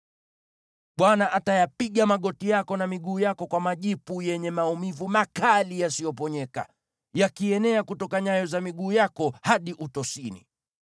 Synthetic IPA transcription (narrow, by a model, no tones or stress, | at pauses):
ɓwanaʔatajapiɠamaɠɔtijakɔnamiɠuːjakɔkwamaʄipujɛɲɛmaumivumakalijasijɔpɔɲɛka̰ | jakiɛnɛakutɔkaɲajɔzamiɠuːjakɔhaɗiʔutɔsinḭ